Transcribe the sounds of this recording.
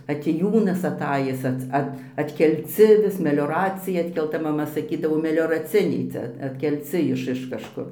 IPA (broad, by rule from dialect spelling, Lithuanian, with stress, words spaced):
ɐtʲeːˈjuːnɐs ɐˈtɑːjɪs ˈɐts ˈɐt ɐtʲkʲɛlʲˈt͡sʲɪ ʋʲɪs mʲɛlʲoːˈrɑːt͡sʲɪjɛ ɐtʲkʲɛlˠˈtɐ mɐˈmɐ sɐˈkʲiːdɐʋoː mʲɛlʲoːrɐˈt͡sʲɪnʲɛɪ ˈt͡sʲɛ ɐtʲkʲɛlʲˈt͡sʲɪ ˈɪʃ ɪʃ kɐʃˈkʊr